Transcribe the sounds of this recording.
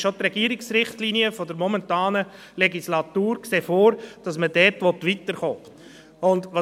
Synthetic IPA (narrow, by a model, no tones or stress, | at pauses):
ʃotrɛɡiəɾɪksɾɪχtliniəfɔdəɾmɔmɛntɑːnə | lɛɡislɑtuːɾkseːfoːɾd̥ɑsmədɛɾtʋɔtʋitəɾχoː | ʊndʋɑ